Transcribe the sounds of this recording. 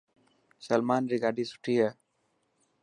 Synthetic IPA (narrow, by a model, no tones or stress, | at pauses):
sɐlmãːnɾiɡaɖisʈijə